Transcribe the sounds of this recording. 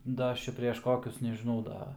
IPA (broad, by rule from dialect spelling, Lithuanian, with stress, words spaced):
ˈdɐ ˈɐʃ ˈt͡ʃʲɛ pʲrʲɛʃ ˈkoːkʲʊs nʲɛʒʲɪˈnɐʊ ˈdɐ